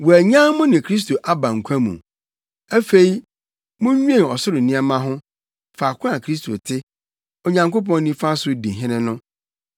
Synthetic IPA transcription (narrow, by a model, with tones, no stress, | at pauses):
wɔ˨æ˨ɲã˦mʊ̃˦nɪ̃˨kʰɾi˦s̬to˨ʔa˦bã˨ŋ̩˨kʷʰã˦mṵ̃˨ | æ˦fe˦i˦ | mʊ̃˦ɲ˦ɲᶣ˦ẽ˦˨ɔ˨sʊ˦ɾɪ˨nɪ̃˦a˦mã˦ɦʊ̃˦ | fa˨kʷʰʊ̃˦a˨kʰɾi˦s̬tʰo̰˨tʰɪ˦ | o˨ɲã˨ŋko˦pɔ̃˦nː˦ĩ˦fa˦sʊ˦dĩ˨ɦɪ̃˦nɪ̃˦nʊ̃˦